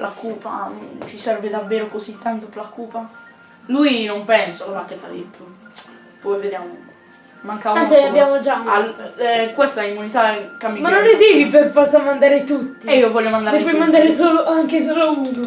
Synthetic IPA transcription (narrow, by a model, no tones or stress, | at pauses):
lakuːpa̰t͡ʃisɛrved̪avːeːɾokosit̪ːant̪opelakuːpa | lujnompɛnsokolakːet̪ːa̰d̪it̪ːo | pɔjved̪jaːmo | maŋkavaant̪oabjaːmod͡ʒaa | kwest̪aimːunit̪akːamːimanːonːed̪iːviperpasamand̪aːɾet̪ut̪ːiiːovɔlːomand̪aɾeepɔjmand̪aːɾesoːloaŋkes̬oːloud̪u